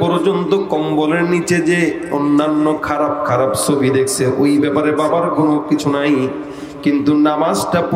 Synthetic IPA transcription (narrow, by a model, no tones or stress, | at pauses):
ɔɾd͡ʑont̪okɔmboleɾnit͡ɕed͡ʑe | onːanːokʰaɾab̚kʰaɾabt͡ɕʰobʱid̪ekʰt͡ɕʰeʔojbɛpaɾebabaɾɡʱunokit͡ɕʰunaj | kint̪unamad͡ʑʈap